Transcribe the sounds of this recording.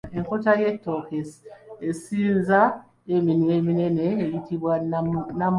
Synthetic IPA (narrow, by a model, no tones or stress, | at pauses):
eŋkotajetːokesesinza | eminwemineneːjitʰiβwanam